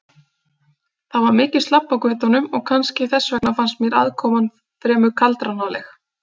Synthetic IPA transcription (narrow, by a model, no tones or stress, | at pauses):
θavaɾmɪːcɪ̥st̪apːawkvœːt̪anʏmɔɣkʰanscɪθɛsːvɛknafanst̪̚mjɛɾa̰ðkʰɔːman | fɾɛːmʏkʰalt̪ɾanalɛx